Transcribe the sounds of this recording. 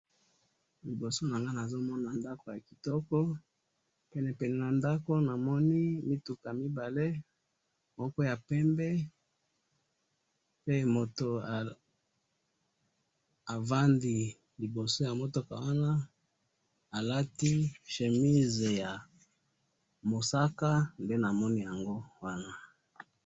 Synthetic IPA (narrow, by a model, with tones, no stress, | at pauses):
li˨bo˨so˦na˨ŋɡa˦na˨zo˦mɔ˦na˨nda˦ko˨ja˨ki˨tɔ˦kɔ˦ | pɛ˨nɛ˨pɛ˨nɛ˨na˨nda˦ko˦na˨mɔ˦ni˦mi˦tu˨ka˨mi˦ba˨le˦ | mɔ˦kɔ˦ja˨pɛ˦mbɛ˦ | pe˦mo˨to˨a˨ | a˨va˦ndi˨ | li˨bo˨so˦ja˨mo˦to˨ka˨wa˦na˦ | a˨la˦ti˦ʃe˨mi˦ze˨ja˨ | mo˨sa˦ka˦nde˦na˨mɔ˦ni˦ja˨ŋɡo˦wa˦na˦